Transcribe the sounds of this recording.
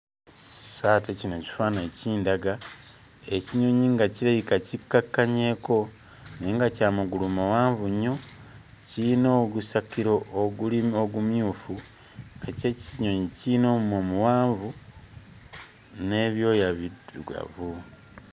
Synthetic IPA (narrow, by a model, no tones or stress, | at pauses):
saːtecinoci̥faːneciːndaɡa | e̞ciɲo̞ɲiŋɡaciɾajikacikːakːaɲe̞ko̞ | neːŋɡacaːmuɡulumuwaːɱvuɲo̞ | cinoɡusakiɾo̞ʔːɡulioɡumjuːfu | ŋɡace̞ciɲo̞ɲicino̞ːmumomuwaːɱvu | ne̞βjo̞ːjaβiduɡa̰vu